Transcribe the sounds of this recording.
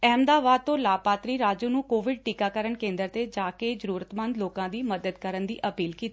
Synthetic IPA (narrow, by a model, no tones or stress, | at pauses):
ɛːmd̪aːʋaːd̪̚t̪õːlaːpaːt̪ɾiːɾaːd͡ʒuːnũːkoːʋɪɖ̚ʈiːkaːkəɾəɳkẽːnd̪əɾt̪eːd͡ʒaːkeːzəɾuːɾət̪mənd̪loːkãːd̪iːməd̪əd̪kəɾənd̪ḭːʔəpiːlkiːt̪iː